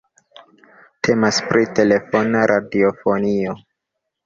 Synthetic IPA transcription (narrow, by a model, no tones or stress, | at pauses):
tʰe̞maspɾʔite̞le̞fonaɾʔadiofo̞nio